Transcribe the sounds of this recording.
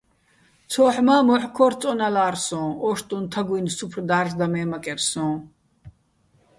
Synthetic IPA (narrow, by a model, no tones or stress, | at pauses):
t͡sʰɔːħmaːmɔħkʰɔɾt͡sʼɔnalaːɾsɔ̃ːɔʃt̪ʼũnt̪ʰaɡuijnsupʰrd̪aːrʒd̪amɛːmakʼɛɾsɔ̃ː